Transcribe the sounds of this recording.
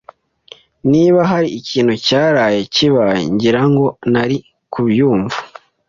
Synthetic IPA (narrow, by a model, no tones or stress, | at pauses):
niːβaɦaɾiːciːn̥hucaːɾaje̞ciβajḛɲɟiɾaŋɡo̞naɾi | kʰuβjuːɱvu